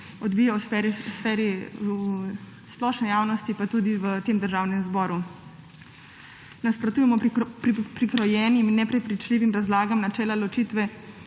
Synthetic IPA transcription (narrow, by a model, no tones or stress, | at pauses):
ɔd̪biːjawɛɾisfɛːɾi | splɔʃnɛjaːwnɔst̪ipat̪ud̪iʋət̪eːmd̪əɾʒaːwnɛmzbɔːɾu | naspɾɔt̪uːjɛmɔ | pɾikɾɔjɛːniminːɛpɾɛpɾit͡ʃliːʋimɾazlaːɡamnat͡ʃɛːlalɔt͡ʃiːt̪ʋɛ